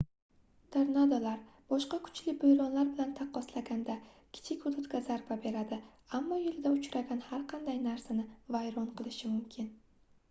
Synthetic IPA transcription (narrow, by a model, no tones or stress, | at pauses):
t̪ʰeɾnad̪olaɾ | b̥ɒʃqɑkʰʊ̥t͡ʃlɪbʊjɾɒnlaɾbɪlant̪ʰaqːɒslaɡʲand̪a | kʲʰɪ̥t͡ʃ̪ʰɪkʲʊd̪ʊt̪ɡʲazaɾbabe̞ɾad̪ɪ | amːɒjɪlɪd̪aʊt͡ʃɾaɡʲanhaɾqʰɑnd̪ajnaɾsanɪvajɾɒnqʰɨlˠɪʃɪmʊmkʲʰɪn